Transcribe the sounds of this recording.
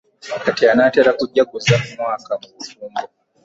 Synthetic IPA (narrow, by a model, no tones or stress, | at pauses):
wakatianatɛɾakuʄaɡuzammwakamufumbɔ